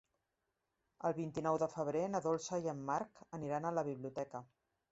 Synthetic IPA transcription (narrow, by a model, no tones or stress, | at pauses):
əlˠβint̪inɔwðəfəβ̞ɾenəðolˠsajəmːaɾkəniɾanələβ̞iβliut̪ɛkə